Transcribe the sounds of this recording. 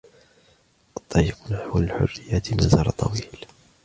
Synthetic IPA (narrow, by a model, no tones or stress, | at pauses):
ʔɑt̪ˤːɑjːəqnaħwalħʊ̰rːɪjːaːt̪mazɑːɾˤɑt̪ˤːɑ̰wiːl